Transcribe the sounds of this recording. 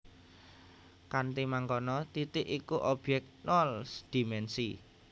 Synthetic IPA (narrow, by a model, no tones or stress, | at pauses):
kant̪imaŋɡɔnɔt̪it̪ɪʔikuʔɔb̥jɛk̚nɔlsd̪̥i̤mɛnsi